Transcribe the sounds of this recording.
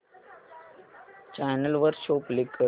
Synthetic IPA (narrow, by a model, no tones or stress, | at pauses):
t͡ʃaːnəlʋəɾʃoːplɪkə